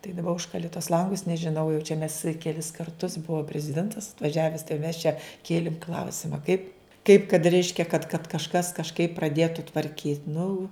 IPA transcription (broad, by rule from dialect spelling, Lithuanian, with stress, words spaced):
tɐɪ dɐˈbɐ ˈʊʃkɐlʲɪ tuɔs ˈlˠɐŋɡʊs nʲɛʒʲɪˈnɐʊ jɛʊ t͡ʃʲɛ mʲɛs kʲɛˈlʲɪs kɐrˈtʊs ˈbʊʋoː pʲrʲɛzʲɪˈdʲɛntɐs ɐtʋɐˈʒʲæːʋʲɛs tɐɪ jɛʊ mʲɛs t͡ʃʲɛ ˈkʲeːlʲɪm ˈklˠɐʊsʲɪmɐ kɐɪp kɐɪp kɐt ˈrʲɛɪʃʲkʲɛ kɐt kɐt kɐʃˈkɐs kɐʃˈkɐɪp prɐˈdʲiɛtʊ tʋɐrʲˈkʲiːtʲ nʊ